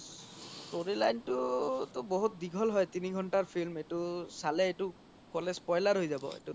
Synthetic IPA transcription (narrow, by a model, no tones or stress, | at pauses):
toɾilajntut̪ɔbɔɦut̪̚diɡʱɔlɦɔjt̪iniɡʱɔnʈaɹpʰilmetusaleːtu | kɔlespɔjlaɹɦojzabɔ̰ḛtu